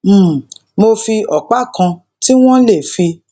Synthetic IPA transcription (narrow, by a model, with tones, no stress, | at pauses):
m̩˨mo˧fi˧ɔ˨k͡pa˦˨kã˧ | ti˦w̃ɔ̃˦le˦˨fi˧